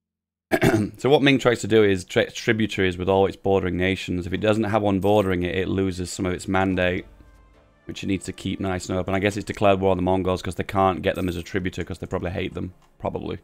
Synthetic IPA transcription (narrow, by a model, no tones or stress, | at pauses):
soʊwʌt̚mĩŋtɹ̥aɪz̥tʰədɨɪz̥tʰɪtʰɹ̥ɪbjʉtʰəɹiɨzwɨðɔːlˠɨtsb̥ɔɹɾə˞ɪ̃ŋneɪʃə̃n̩zɨfɨt̚d̥ʌzn̩tɦəvʌ̃nbɔɹɾə˞ɪ̃ŋɪtɪʔˡlʉːzɪz̥sʌ̃mʌvɨtsmæ̃ndeɪʔ̚ | wɨt͡ʃtⁿniːdz̥tʰɨkʰip̚naɪsnoʊʌpə̃naɪɡɛsɨtsd̥ɨkʰl̥ɛɹd̚wəɹðə̃mɑ̃ŋɡoʊz̥kʰʌzðeɪkʰæ̃nɡ̥ɛʔðə̃məzətʰɹ̥ɪbjʉɾə˞kʰʌzðeɪpʰɹ̥ɑbəbliɦeɪʔ̪̚ðə̃m | pʰɹ̥ɑ̰bə̰blḭ